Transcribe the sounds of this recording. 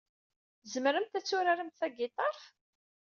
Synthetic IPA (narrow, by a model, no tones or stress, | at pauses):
zəmɾəmt̪æt͡sːʊɾaɾəmt̪θæɡɪt̪ˤɑɾˤf